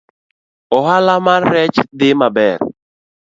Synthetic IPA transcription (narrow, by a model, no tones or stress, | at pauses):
ɔɦalamanɾɛt͡ʃdɪmabɛɾ